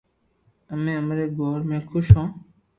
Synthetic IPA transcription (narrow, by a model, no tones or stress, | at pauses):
əmẽːəmɾeːɡoːɾmẽːkʰʊʃõː